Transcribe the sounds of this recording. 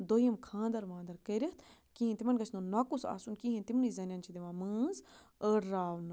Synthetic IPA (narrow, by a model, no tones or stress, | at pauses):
d̪oːjəmkʰãːnd̪ɐɾʋãːnd̪ɐɾkəɾʲɐt̪ʰ | kiːɦĩnt̪imɐnɡɐt͡ʃʰnɐnakusa̰ːsunkiɦĩt̪imnizɐnjaːnt͡ʃʰid̪iʋãːmɨːz | əɾaːʋn